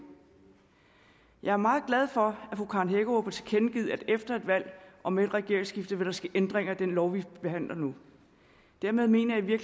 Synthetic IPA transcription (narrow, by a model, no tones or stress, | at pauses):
jɑ̈æɐmɑ̈ːð̩ˠɡ̥læð̞ˠfɒ̽æfʁukʰɑ̈nɦeɡ̥o̝ɑpʰɒt͡sʰekʰenɡ̥ið̞̰ˠæd̥efd̥ɐe̝d̥ʋæl̰ʔɒ̽meːd̥ʁɛɡ̥e̝ɐ̰ɪŋsɡ̥ifd̥əʋæɾ̥ɑ̈sɡ̥æʔend̥ʁeŋɐæd̥enlɒʊʋib̥e̝ɦæn̰lɐnu | d̥æɐ̰meðˠme̝̰ːnɐjɑ̈ɪʋiɐ̥